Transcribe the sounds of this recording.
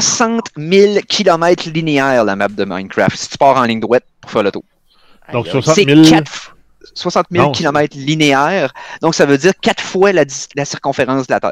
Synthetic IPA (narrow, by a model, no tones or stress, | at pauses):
wasɑ̃t̪mɪlkʲʰilɔmɛɪt̪χlineɛːʁlamap̚d̪əma̰j̃nkɹa̰ft̪si̥t̪y̥pɑːʁɑ̃lɪ̃ŋd̪ʁwɛt̪̚pʊ̥ʁ̥fɛːʁlət̪o | d̪ɔ̃kswasekat̪f | swasɑ̃t̪̚mɪlkʲilɔmɛɪt̪χlineɛːʁd̪ɔ̃ksavød͡ziːʁkʲat̪fwalailasiʁkɔ̃feʁɑ̃sd̪əlat̪ɛ̰ɪ